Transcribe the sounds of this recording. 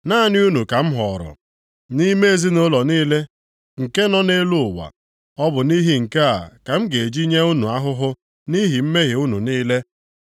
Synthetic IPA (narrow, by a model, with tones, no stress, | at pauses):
na˦˨nɪ˦u˦nu˨ka˨m̩˦ɦɔ˨ɾɔ̰˨ | ni˦me˦e˨zi˦nʊ˦lɔ˨niː˦le˦ | ŋ̩˨ke˦nɔ˦ne˦lu˦ʊ˨wa̰˨ | ɔ˦bʊ˨ni˦ɦi˦ŋ̩˨ke˦a̰˨ka˨m̩˦ɡe˨e˨d͡ʒi˦ɲe˦u˦nu˨a˦ɦʊ˦ɦʊ˦ | ni˦ɦi˨m̩˦me˦ɣe˨u˦nṵ˨niː˦le˦